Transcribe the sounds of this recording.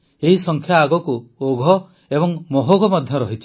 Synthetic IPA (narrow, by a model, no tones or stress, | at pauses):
eɦisɔŋkʰjaːɡɔkuoɡʱɔ | ebɔŋmɔɦoɡʱɔmɔd̪ʱjɔɾɔɦit͡ʃʰi̥